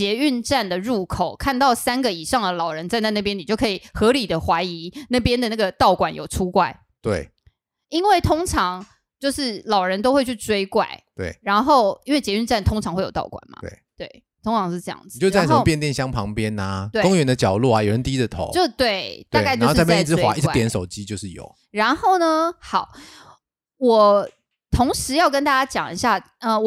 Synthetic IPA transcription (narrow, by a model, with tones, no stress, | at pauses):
t͡ɕjɛ˧˥y˥˧nʈ͡ʂa˥˩nd̪ə˩ɻu˥˩kʰo˨˩ʊkʰa˥˧nt̪ɑ˥˩ʊsa˥nɡə˨i˨˩ʂɑ˥˩ŋd̪ə˩lɑ˨˩ʊɻə˧˦nt͡sa˥˧ɪna˥˧ɪna˥˩pjɛ˥ni˨˩t͡ɕjo˥˩ʊkʰɤ˧˥i˨˩xɤ˧˥li˨˩d̪ə˦xwa˧˥ɪi˧˦na˥˩pjɛ˥nd̪ə˨˦na˥˩ɡə˩t̪ɑ˥˩ʊkwa˨˦njo̰˨˩ʊʈ͡ʂʰu˥kwa˥˩ɪ | t̪wḛ˥˩ɪ | i˦˥nwe˥˩ɪt̪ʰo˥ŋʈ͡ʂʰɑ˧˥ŋ | t͡ɕjo˥˧ʊʂɻ̩˥˩lɑ˨˩ʊɻə˧˦nt̪̬o˥ʊxwe˥˧ɪt͡ɕʰy˥˩t͡swe˥ɪkwa̰˥˩ɪt̪wḛ˥˩ɪɻa˧˥nxo˥˩ʊi˥nwe˥˩ɪt͡ɕjɛ˧˥y˥˧nʈ͡ʂa˥˩nt̪ʰo˥ŋʈ͡ʂʰɑ˨˧ŋxe˥˩jo˨˩t̪ɑ̰˥˩ʊkwa̰˨˩nmɐ̰˩˦wḛ˥˩t̪we˥˩ɪ | t̪ʰʊ˥ŋʈ͡ʂʰɑ˨˧˦ŋʂɻ̩˥˧ʈ͡ʂɤ˥˧jɑ̰˥˩ŋd͡z̩˨t͡ɕo˥˧˥a˥˧˩ʂə˧m˥ʊpjɛ˥˧nt̪jɛ˥˨nɕjɑ˥ŋpʰɑ˧˦ŋpjɛ˦na˨t̪we˥˩kʊ˥ŋɥɛ˧˥nd̪ə˧t͡ɕjɑ˨˩ʊlu˥˩a˨˩jo˨˩ɻə˧˦nt̪i˥d̪ə˨˧t̪ʰo̰˨˦t͡ɕjo˥˧ʊ˥˧t̪we˥˩ɪt̪a˥˧˥kɪt͡ɕːpjɛ˥˧˥wa̰˧˦ʔi˥˧t͡st̪jɛ˧nʂo˨˩ʊt͡ɕi˦t͡ɕjo˥˧ʊʂɻ̩˥˩jo̰˨˩˦ʊ | ɻa˧˥nxo˥˩ʊnə˧xɑ˨˩˦ʊ | wɔ˨˩ | t̪ʰo˧˥ŋʂɻ̩˧˦jɑ˥˩ʊkə˥nt̪a˥˩t͡ɕja˥t͡ɕjɑ̰˨˩ŋi˧˦ɕja˥˩ | ə˧˨˩